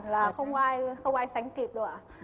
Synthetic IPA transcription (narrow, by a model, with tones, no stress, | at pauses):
nlaː˨˩xə˧wŋ͡mkʔaː˧jxə˧wŋ͡mʔaː˧jsa˨˦jŋ̟k̪i˨˩ɗɨ̰˧˩ə